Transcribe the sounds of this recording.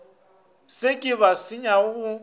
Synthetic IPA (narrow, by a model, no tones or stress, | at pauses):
sekʼɪβasɪɲaɣʊɣʊ